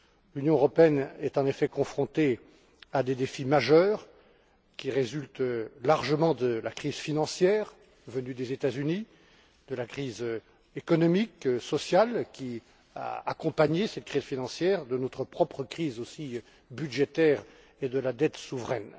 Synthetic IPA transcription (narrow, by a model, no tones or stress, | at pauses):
lynjɔ̃øʁɔpeɛnɛt̪ɑ̃nefɛkɔ̃fχɔ̃t̪e | ad̪ed̪efimaʒœːʁ | kʲiʁezylt̪laʁʒəmɑ̃d̪əlakχizfinɑ̃sjɛːʁ | vənyd̪ezet̪azyni | d̪əlakχiz | ekɔnɔmiksɔsjalkʲi | a̰ːkɔ̃paɲesɛt̪̚kχiz̥finɑ̃sjɛʁd̪ənɔt̪χəpχɔpχəkχizosi | byd̪ʒet̪ɛːʁ | ed̪əlad̪ɛt̪suvʁɛ̰n